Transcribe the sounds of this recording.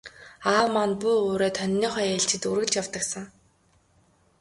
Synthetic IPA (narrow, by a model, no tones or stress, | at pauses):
aːwmanpujoːɾeːt̪ʰœnʲːiːχœjeɬt͡ɕɪ̆t̪urɣɘ̆ɮt͡ɕjawt̪ə̆ksə̆ŋ